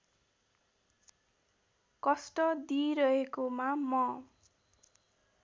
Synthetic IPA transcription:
kʌsʈʌd̪iɾʌɦekomamʌ

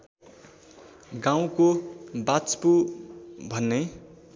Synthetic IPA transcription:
ɡãw̃kobat͡spu | bʱʌnːe

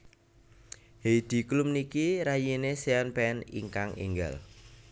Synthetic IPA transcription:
hed̪̥i̤klumnikiɾajineseanpɛnḭŋkaŋḭŋɡa̰l

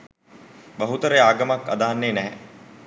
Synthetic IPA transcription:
baɦut̪əɾəaːɡəmakːa̰d̪aɦanːeːnɛɦɛ

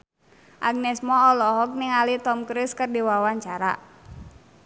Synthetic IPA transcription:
ʔaɡ̚nɛsmɔɔlɔɦɔk̚niŋalit̪ɔmkɾiskɨrdiwawaɲt͡ʃaɾa̰

